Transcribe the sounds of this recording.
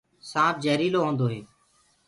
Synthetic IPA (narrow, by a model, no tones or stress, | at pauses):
sãːd͡ʒɛːɾiːloːɦõːnd̪oːɦeː